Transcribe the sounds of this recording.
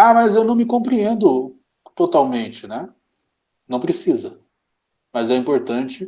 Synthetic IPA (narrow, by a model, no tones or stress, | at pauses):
amɐzewnɐ̃w̃mɪkõpɾiẽnd̪ʊ | t̪ot̪awmẽnt͡ʃɪnɛ | nɐ̃w̃pɾesizɐ | mɐzɛĩpoɾt̪ɐ̃t͡ʃɪ